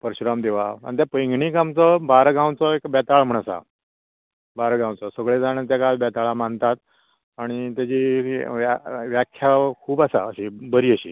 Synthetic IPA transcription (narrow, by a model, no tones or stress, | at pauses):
pəɾɕɾamd̪eʋaa̰ɳit̪japəjɡʱɳiːkamt͡sɔbaɾɡãwt͡sɔekbɛt̪aɭm̤əɳ̃asa̰ | baɾɡãwt͡sɔsəɡɭed͡zaɽ̃et̪jakalbɛt̪aɭamant̪at̪ | aɽ̃it̪jat͡ɕiaʋjakʰjakʰuːbasa̰əɕibəɾiːəɕḭː